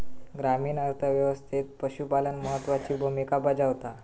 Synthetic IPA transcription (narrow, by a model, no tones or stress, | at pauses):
ɡɾamiːnəɾt̪ʰəʋjəʋəst̪ʰit̪̚pəɕupalənməɦət̪ːʋat͡ɕiːbʱumikabad͡ʑaʋt̪a